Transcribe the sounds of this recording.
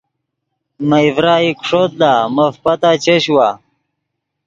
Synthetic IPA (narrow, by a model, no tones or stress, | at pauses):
mɐivɾaːikʂot̪̚laːmɐfpɐt̪aːt͡ɕeɕwaː